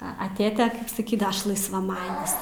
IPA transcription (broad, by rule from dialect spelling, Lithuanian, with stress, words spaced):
ɐ ɐ ˈtʲeːtʲɛ sɐˈkʲiːdɐʋɐ ˈɐʃ lˠɐɪsʋɐˈmɑːnʲɪs